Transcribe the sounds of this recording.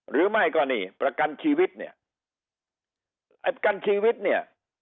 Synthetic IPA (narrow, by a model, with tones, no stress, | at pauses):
ɾɯː˨˦ma˥˩jkɔː˥˩niː˧˩pɾa˧ka˧nt͡ɕʰiː˧wi˦˥t̪̚ni˥˩ɐ | ʔa̰˧jpɾa˧ka˧nt͡ɕʰiː˧wi˦˥t̪̚ni˥˩ɐ